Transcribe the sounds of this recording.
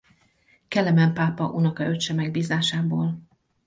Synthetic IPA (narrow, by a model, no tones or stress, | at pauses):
kɛlːɛmɛmpaːpɒʔunɒkɒøʃɛmɛɡ̚biːzaːʃaːboːl